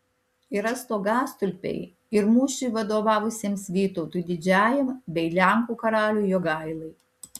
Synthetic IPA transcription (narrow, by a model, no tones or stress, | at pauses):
ɪɾɐst̪oːɡɑːst̪ʊlʲpʲɛ̰ɪ | ɪɾmuːʃʲʊɪʋɐd̪oːʋɑːʋʊsʲeːmsʋʲiːt̪ɔʊt̪uːd̪ʲɪd͡ʒʲæːjɛmbʲɛɪlʲæˑŋkuːkɐɾɑːlʲuːjoːɡɐɪlˠɐɪ